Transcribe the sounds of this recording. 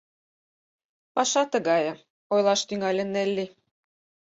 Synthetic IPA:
pɑʃɑt̪ə̆ɣɑjɤ̆ | ojlˠɑʃt̪yŋælʲĕnːelʲːi

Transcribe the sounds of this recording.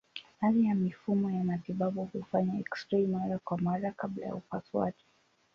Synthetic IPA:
haðijamifumɔjamatiɓaɓuhufaɲaɛkstɾimaɾakwamaɾakabla̰ja̰upaswa̰ʄi

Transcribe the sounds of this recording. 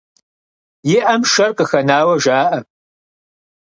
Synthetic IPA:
jɪʔɐmʃɐrqʼəxɐnaːwɐʒaːʔɐ

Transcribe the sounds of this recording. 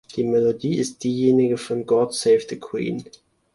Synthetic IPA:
d̥iːmɛlodiːɪst̚d̥iːjeːnɪɡəfɔnɡɔtsɛɪftəkʰwḭːn

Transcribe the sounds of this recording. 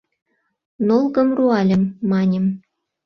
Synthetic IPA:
nolˠɣɤ̆mruɑlʲə̆mːɑnʲə̆m

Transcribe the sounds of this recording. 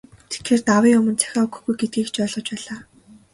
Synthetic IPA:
t̪ʰe̥t̪xeːrt̪awiːɵmɵ̆nt͡sʰæ̥xʲaːɵkɵ̆xɡujɡet̪̚ɡiːkt͡ɕɔːɮʁɞ̆t͡ɕpæːɮaː

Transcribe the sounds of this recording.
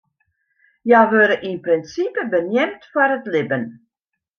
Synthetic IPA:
jawʋøɾəʔinprɪnsipəbənjɛmtfwaɾətlɪbən

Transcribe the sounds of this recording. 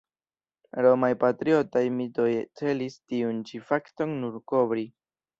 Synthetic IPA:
ɾomajpatɾio̞tajmito̞jt͡se̞listiunt͡ʃifakto̞ŋnuɾko̞bɾi

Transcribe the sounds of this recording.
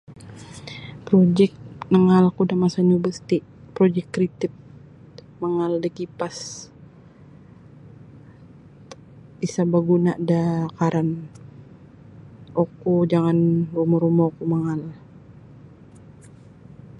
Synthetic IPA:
pɾod͡ʒɛk̚nəŋalkudamasaɲubəst̪ipɾɔd͡ʒɛkːɾit̪ɪp̚ | maŋaldəkipas | isabaɡunaʔdakaɾan | okud͡ʒaŋanrumɔɾumɔkumaŋal

